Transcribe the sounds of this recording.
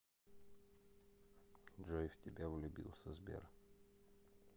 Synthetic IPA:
dʐojftʲɪbʲevlʲʊbʲḭlˠsʲəzbʲḛr

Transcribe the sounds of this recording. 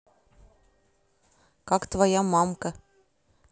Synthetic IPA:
kɑkt̪vajɑmɑmkə

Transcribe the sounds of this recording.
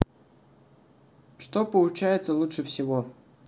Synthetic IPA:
ʂt̪opəlˠʊt͡ɕæjɪt̪səlˠutʂəfsʲɪvo

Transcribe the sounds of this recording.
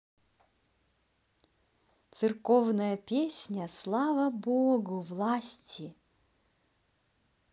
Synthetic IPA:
t̪sɨrkɔvnəjəpʲesʲnʲəslˠavɐbɔɡʊvlˠasʲtʲɪ

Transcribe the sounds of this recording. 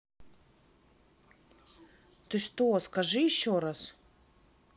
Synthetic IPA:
t̪osʲt̪oskɐʐɨjɪɕːoɾas

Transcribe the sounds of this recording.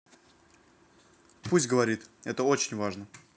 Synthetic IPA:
pusʲtʲɡəvɐɾʲit̪ɛt̪əo̞t͡ɕɪnʲvaʐnə

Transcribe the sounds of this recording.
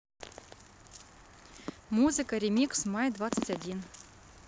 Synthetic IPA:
muzɨkəɾʲemʲiksmɑjd̪vɑt̪sətʲadʲin

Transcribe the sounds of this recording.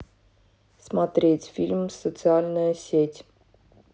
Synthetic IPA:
smat̪ɾʲet̪sʲfʲilʲmsot̪sɨalnəsʲet̪ʲ

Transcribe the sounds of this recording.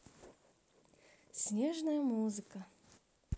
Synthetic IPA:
sʲnʲeʐnəjəmuzɨkə

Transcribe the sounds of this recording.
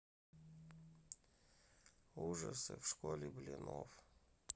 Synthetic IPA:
uʐəsɨfʂkolʲɪbɨlʲinof

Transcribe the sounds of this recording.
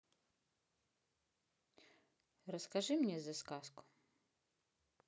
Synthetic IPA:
rɔskɐʒɪmnʲɛzɐskaskʊ̥

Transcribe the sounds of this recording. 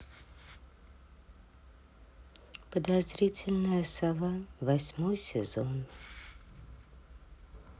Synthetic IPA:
pəd̪azɾʲit͡sʲɪlʲnəjəsavavɐsʲmojsʲɪ̰zon

